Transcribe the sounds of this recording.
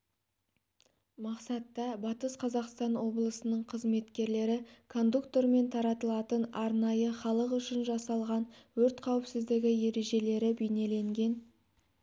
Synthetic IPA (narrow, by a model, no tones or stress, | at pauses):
mɑqsɑt̪ːɑbɑt̪əsqʰɑzɑqst̪ɑnwo̞blˠəsənəɴqʰəzme̞t̪kʲe̞ɾle̞ɾɪkʰo̞nd̪ukt̪o̞ɾme̞nt̪ʰɑɾɑt̪əlˠɑt̪ənɑɾnɑjəχɑlˠəqʏʃɪnʒɑsɑlˠʁɑnwɵɾt̪qʰɑwɪpsɪzd̪ɪɡʲɪje̞ɾe̞ʒe̞le̞ɾɪbejne̞le̞ŋɡʲe̞n